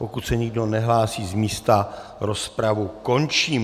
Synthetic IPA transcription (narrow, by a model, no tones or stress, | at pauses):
pokut̪sɛɲɪɡdo̞nɛɦlaːsiːzmiːst̪a | ɾospɾavuko̞nt͡ʃiːm